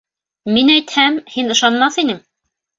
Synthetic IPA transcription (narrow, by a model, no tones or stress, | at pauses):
minæjt̪hæmhinɤ̆ʃɑnmɑθinɘŋ